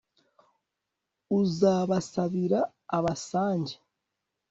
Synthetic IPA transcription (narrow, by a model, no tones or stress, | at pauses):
uzaːβasaβiɾaː | βasaːɲɟe